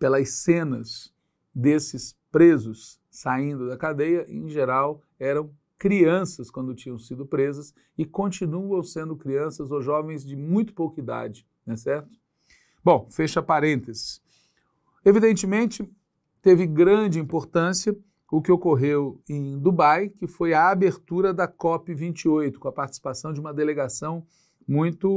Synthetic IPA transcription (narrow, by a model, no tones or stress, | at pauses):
pelɐsẽnɐs | d̪esɪspɾezʊsː | aĩnd̪ʊd̪ɐkad̪ejɐʔḛ̃ʒeɾaw | ɛɾɐ̃w̃ | kɾiɐ̃sɐskwɐ̃nd̪ʊt͡ʃĩɲɐ̃w̃sid̪ʊpɾezɐs | ɪkõnt͡ʃinuɐ̃w̃sẽnd̪ʊkɾiɐ̃sɐzoʒɔvẽj̃zd͡ʒɪmũj̃t̪ʊ̥powkɐid̪a̰d͡ʒɪ | nɛsɛɾt̪ʊ̥ | bõw̃feʃɐpaɾẽnt̪ezɪ̥s | evid̪ẽnt͡ʃɪmẽnt͡ʃɪ | t̪evɪɡɾɐ̃d͡ʒɪĩmpoɾt̪ɐ̃siɐ | ʊkɪokoɦewẽj̃d̪ubajkɪfojɐːbeɾt̪uɾɐd̪ɐkɔpɪvĩnt͡ʃiojt̪ʊ̥kõɐpaɾt͡ʃɪ̥si̥pasɐ̃w̃d͡ʒɪũmɐd̪eleɡasɐ̃w̃ | mũj̃t̪ʊ